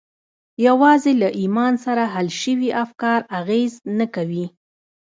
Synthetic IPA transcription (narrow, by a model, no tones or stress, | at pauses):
jawɑzelaʔimɑnsaɾaɦalʃəwiʔafkɑɾaɣeznakawi